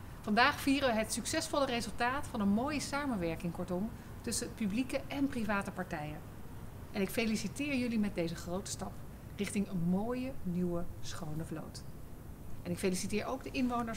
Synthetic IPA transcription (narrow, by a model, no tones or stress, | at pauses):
vɑndaːχfiːrəʋəɦətsyksɛsfɔlərezɵlˠtaːtfɑnənmoːjəsaːmənʋɛɹkɪŋkɔɹtɔm | tɵsəət̚pyblikəʔɛnprivaːtəpɑɹtɛjən | ʔɛnɪkfejlisitɪːɹjɵlimɛt̚dejzəχrowtə̥stɑp | rɪχtɪŋənmoːjəniwəsχownəvlo̰wt | ʔɛnɪkfelisitɪːɹowɡ̚dəʔɪnʋownə